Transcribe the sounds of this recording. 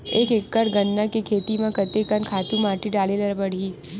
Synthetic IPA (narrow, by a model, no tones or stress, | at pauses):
eːkɪkːəɾɡənːakekʰeːt̪imãkət̪ekənkʰaːt̪ũmaːʈiɖaːleləlpəɽiː